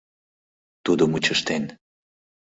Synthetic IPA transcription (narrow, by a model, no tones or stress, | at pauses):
t̪ud̪omut͡ɕəʃt̪en